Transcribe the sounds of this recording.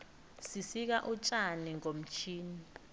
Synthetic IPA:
sisik̬aʔut͡ʃʼaniŋom̩t͡ʃʰiːni

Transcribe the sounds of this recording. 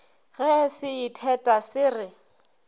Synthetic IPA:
ɣɛsɪitʰɛtʼasɪrɪ

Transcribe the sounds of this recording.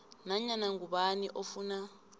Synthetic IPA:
naɲanaŋɡuɓaniʔofuna

